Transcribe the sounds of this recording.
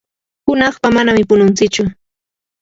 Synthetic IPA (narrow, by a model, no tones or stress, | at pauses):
hʊnɑχpamanamɪpʊnʊnt͡sɪt͡ʃʊ